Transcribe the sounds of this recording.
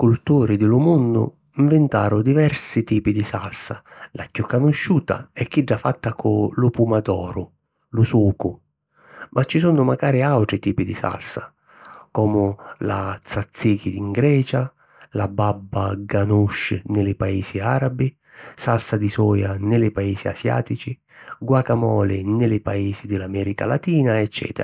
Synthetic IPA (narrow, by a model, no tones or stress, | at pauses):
kult̪uːɾid̪ɪlʊmunːʊ̰ | iɱvɪnt̪aːɾʊd̪ivɛɾsit̪iːpid̪isa̰lsalacːukːanʊʃːuːt̪a̰ɛkːiɖːafat̪ːakʰʊlʊpumad̪ɔːɾʊ | lʊsuːkʊ | mʔat͡ʃːis̬unʊmaɡaːɾiawt̪ɾit̪iːpid̪isa̰lsa | kɔːmʊlat̪sat̪sːik̟id̪iŋɡɾɛːt͡ʃa | lababːaɡanuʃːnɪlɪpaiːsiaːɾabi | salsad̪isɔːjanɪlɪpaiːsia̰sja̰ːt̪it͡ʃi | ɡwakamɔːlɪnɪlɪpaiːzid̪ɪlamɛːɾika̰lat̪iːnaɛt͡ʃːɛ̰ːt̪ɛ̰ɾa